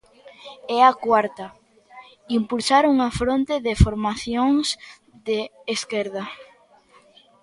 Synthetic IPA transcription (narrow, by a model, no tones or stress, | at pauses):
ɛakwaɾt̪ɐ | impulsaɾuŋafɾont̪eðefoɾmaθjoŋs | ðeːskɛɾð̞ɐ